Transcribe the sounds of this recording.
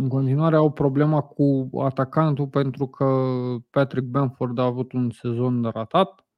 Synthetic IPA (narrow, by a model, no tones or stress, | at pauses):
ɨŋko̞nt̪inuaɾe̞awpɾo̞ble̞makʰua̰t̪akant̪upe̞nt̪ɾukʰəpat̪ɾik̚banford̪aːvut̪unse̞zo̞nd̪eɾat̪at̪̚